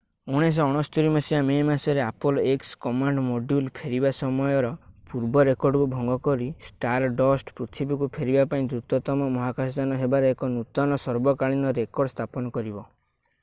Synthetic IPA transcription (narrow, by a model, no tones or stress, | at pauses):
uɽ̃es̬ɔɔɽ̃ɔst̪uɾimasiamemasɔɾeapɔlekskɔmaɳɖmoɖjulpʰeɾibasɔmɔjɔɾɔpuɾbɔɾekɔɾɖkubʱɔŋɡɔkɔɾisʈaɾɖɔsʈpɾut̪ʰibikupʰeɾibapaĩd̪ɾut̪ɔt̪ɔmɔmɔɦakasd͡ʒanɔɦebaɾeekɔnut̪ɔnɔsɔɾbɔkaɭinɔɾekɔɾɖst̪ʰapɔnɔkɔɾibɔ